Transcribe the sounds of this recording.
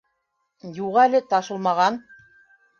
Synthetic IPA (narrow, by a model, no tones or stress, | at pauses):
juʁɑælɘt̪ɑʃɤ̆lˠmɑʁɑn